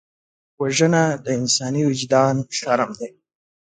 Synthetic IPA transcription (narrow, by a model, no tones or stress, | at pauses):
waʒənad̪əɪnsɑːniwʊd͡ʒd̪ɑːnʃaɾamd̪aj